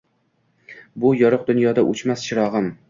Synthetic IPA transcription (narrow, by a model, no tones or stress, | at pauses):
bʊjɒɾɨq̚d̪ʊnjɒd̪aʔʊt͡ʃmast͡ʃʰɪɾɒʁɨm